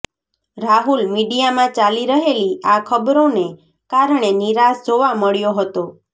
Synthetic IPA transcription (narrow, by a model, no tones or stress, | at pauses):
ɾaɦulmiɖijamãt͡ʃaliɾəɦeliakʰəbɾone | kaɾɳ̃eniɾasd͡ʒoʋaməɭjoɦət̪o